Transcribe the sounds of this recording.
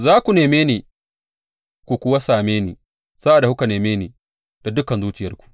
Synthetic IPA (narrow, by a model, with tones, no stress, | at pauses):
zaː˦kʷu˨neː˨meː˦niː˨ | kʷu˨kʷʊ˦wa˦saː˨meː˦nḭː˨ | sa˦ʔa˨da˨hu˦ka˨neː˨meː˦niː˨ | d̥a˨dʊ˦kɐ˨nzuː˦t͡ʃɪ˨jɐ˦rkʷu̥˨ʔ